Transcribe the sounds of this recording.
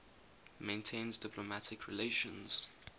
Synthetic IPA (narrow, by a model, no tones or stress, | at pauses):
mẽɪ̃ntʰẽɪ̃nzdɪpʰlɔmatʰɪkʰɹḭleɪʃə̃nz̥